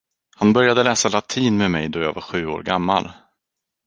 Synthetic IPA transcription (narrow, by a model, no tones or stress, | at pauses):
hanbœɾjad̪əlɛːsalat̪ʰiːnmɛmɛjd̪ɔjɑ̰ːɡvaɾɧʉ̟ːo̰ːɾɡamːa̰l